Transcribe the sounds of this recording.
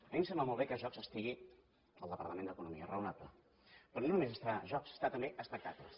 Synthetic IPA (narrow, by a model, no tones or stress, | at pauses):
mimsɛmbləmolˠβekəʒɔkzəst̪iɣi | əlˠəpəɾt̪əmend̪əkunumiə̰rəunablə̰ | pɾɔnonumezəst̪ɾaʒɔkzə̥st̪at̪əmbeʔəspək̚t̪aklə̰s